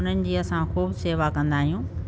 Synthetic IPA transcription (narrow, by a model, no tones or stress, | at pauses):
ʊn̤ənɪ̆d͡ʑiːɐsãxuːbseːʋakɐ̃nd̪aːɦijũː